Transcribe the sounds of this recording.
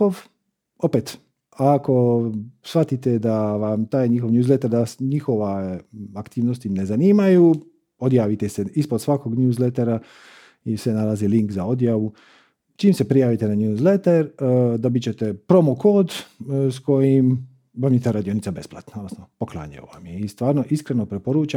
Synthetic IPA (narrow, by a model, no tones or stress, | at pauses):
oʋ | o̞pet̪ | ako̞sʋat̪it̪ed̪aʋamt̪aːjɲixo̞ʋɲjuːzlet̪eɾd̪asɲixo̞ʋaakt̪iːʋnost̪ine̞zaniːmaju | od̪jaːʋit̪eseispod̪sʋakoɡɲuːzlet̪eɾa | isenalˠaziliŋkzao̞d̪jaʋu | t͡ʃiːmse̞pɾijaːʋit̪enaɲuːzlet̪eɾd̪o̞bit͡ɕe̞t̪e̞pɾo̞moko̞ːd̪sko̞jim | bamit̪eɾad̪io̞nit̪sabe̞splˠat̪naod̪nosnopoklˠa̰ːɲa̰jo̰ʋa̰mjeist̪ʋaːɾnoʔiskɾeno̞pɾepoɾuːt͡ʃa